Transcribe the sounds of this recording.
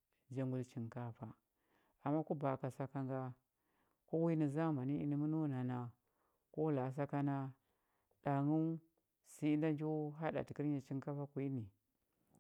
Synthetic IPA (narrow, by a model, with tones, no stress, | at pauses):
d͡ʒa˨ŋɡu˨lt͡ʃi˨ŋka˦fa˨ | a˨mːa˦ku˦ba˨ka˨sa˦ka˦ŋɡa˦ | ko˦wi˦ni˨za˦ma˨ni˦i˦ni˦mu˦nu˦na˨na˨ | ko˦la˨s̬a˦ka˦na˦ | ɗ̥a˨ŋu˦ | si˦nda˦nd͡ʒu˦ɦa˦ɗa̰˨ti˨ki˦ɾɲa˨t͡ʃi˦ŋka˦fa˦kʷi˨˦i˦ni˨